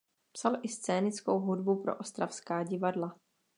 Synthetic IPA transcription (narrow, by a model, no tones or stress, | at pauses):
psalʔɪst͡sɛːnɪt͡skowɦudbupɾo̞̰ʔost̪ɾafskaːɟɪvadla